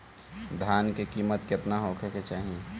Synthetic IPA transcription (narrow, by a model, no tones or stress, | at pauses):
d̪ʱaːnkekiːmət̪kɪt̪naɦoːkʰeket͡ʃaːɦĩ